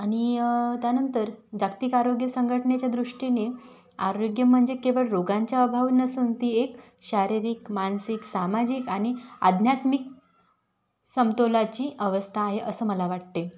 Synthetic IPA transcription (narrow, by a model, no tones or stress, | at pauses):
aɽ̃it̪janənt̪əɾd͡ʑakt̪ikaɾoɡjəsəŋɡʱəʈɳet͡ɕjad̪ɾuʂʈine | aɾoɡjəm̤əɳd͡ʑekeʋəɭɾoɡaɲt͡ɕjaəbʱaʋnəsuːnt̪iːek | ɕaɾiɾikmansiksamad͡ʑikaɽ̃ia̰d̪ʱnjat̪mik̚ | səmt̪olat͡ɕiːʔəʋəst̪ʰaːɦeʔəsəːməlaʋaʈ̚t̪e